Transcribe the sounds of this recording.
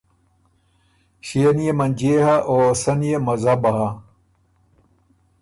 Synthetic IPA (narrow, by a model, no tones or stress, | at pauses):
ɕenijemɐnʲd͡ʑeːɦɐʔoːsɐnijemɐzɐbɐɦɐ